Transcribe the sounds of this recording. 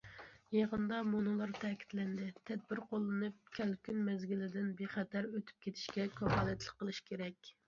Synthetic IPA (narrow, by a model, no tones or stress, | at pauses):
jeʁənd̪ɑmonɨlˠɑɾt̪ʰɛkʲʰi̥t̪lɛnd̪ɪt̪ʰɛd̪̚bɪɾqʰolˠːɨnɨp̚kʲʰælkʲynmɛzɡʲilɪd̪ɪnbeχɛt̪ʰæɾøt̪ʰy̥p̚kʲʰet̪ʰɪ̥ʃkʲɛkʰʲøpɑːlˠɛt̪lˠəqːəlˠɨʃkʲʰeɾɛkʲ